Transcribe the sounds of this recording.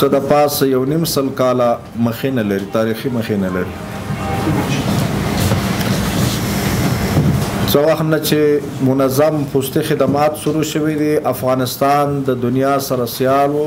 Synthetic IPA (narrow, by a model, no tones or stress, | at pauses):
səd̪əpɑsajawnimsəlkɑla | məxenalaɾit̪ɑɾiximəxenalaɾi | t͡səwaxt̪nat͡ʃe | mʊnazampust̪ixɪd̪amɑt̪ʃuɾuʃəwed̪iʔafɣɑnɪst̪ɑnd̪əd̪ʊnijɑsaɾasjɑlwo